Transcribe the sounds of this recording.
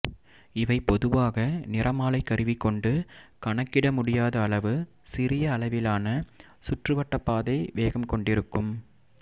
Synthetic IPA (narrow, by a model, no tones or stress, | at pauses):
ɪʋɐɪpɔðɯʋaːɣɐnɪrʔɐmaːlɐɪkːɐɾɪʋɪkːɔɳɖɯkɐɳɐkːɪɽɐmʊɽɪjaːðɐːɭɐʋɯ | sɪɾɪjɐːɭɐʋɪlaːnɐ | sʊʈrɯʋɐʈːɐpːaːðɐɪʋeːɣɐmkɔɳɖɪɾɯkːɯm